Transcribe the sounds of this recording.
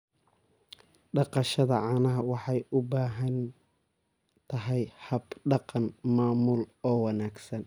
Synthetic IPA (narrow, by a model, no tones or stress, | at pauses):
ɖɑqɑʃɐðɐ̰ʕɑːnɐɦɐwɑħɑjʊbaːɦɐn | t̪ʰɐɦɛjhɐbɖɑqɑnmaːmʊlɔːwɑnaːɡsɐn